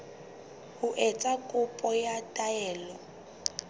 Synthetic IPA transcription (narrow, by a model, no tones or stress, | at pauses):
hʊʔɛt͡sʼakʼʊpʼɔjatʼaɛːlɔ